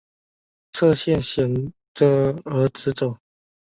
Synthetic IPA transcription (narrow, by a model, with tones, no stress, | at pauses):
t͡sʰɤ˥˧ɕjɛ˥˨nɕjɛ˨˩n | t͡sə˧ə˧˥ʈ͡ʂɹ̩˨˧˥t͡so˨˩˦ʊ